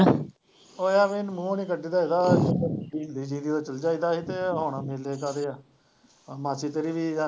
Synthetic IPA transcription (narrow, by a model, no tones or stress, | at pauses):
oːaːmenmũːoːniːkəɖiːd̪aːiːd̪aːdiːnd̪iːd͡ʒĩːd̪iːoːt͡ʃəld͡ʒaːiːd̪aːɦit̪eːɦoːnãːmeleːkaːɾeːa | mãːt͡ʃiːt̪eːɾiːʋiːaː